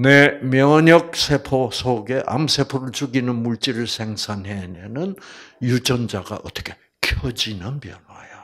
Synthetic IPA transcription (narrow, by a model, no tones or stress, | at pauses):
nemjʌɲʌk̚sʰe̞pʰosʰoɡe̞ʔa̰msʰe̞pʰoɾɯɭt͡ɕuɡinɯnmuɭt͡ɕ͈iɾɯɭsʰeŋsʰanɦenenɯnjud͡ʑʌnd͡ʑaɡa̰ʔʌt͈ʌ̥kʰe̞̥ | kʰjʌd͡ʑinɯnpjʌnwajo